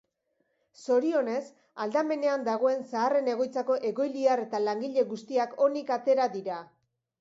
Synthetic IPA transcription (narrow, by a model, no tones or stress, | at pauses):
so̞ɾio̞ne̞s | ald̪ame̞ne̞and̪aɣ̞o̞e̞nsaːre̞ne̞ɣo̞jt͡sako̞ʔe̞ɣo̞jliare̞t̪alaŋɡiʎe̞ɣust̪iako̞nikat̪e̞ɾaðiɾa